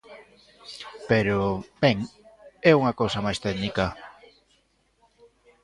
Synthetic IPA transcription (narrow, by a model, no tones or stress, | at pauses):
peɾobɛŋɛuŋɐkowsɐmajst̪ɛðnika